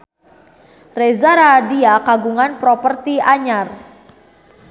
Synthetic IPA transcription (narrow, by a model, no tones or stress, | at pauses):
rɛzaɾadiakaɡuŋanpɾɔpərt̪iaɲar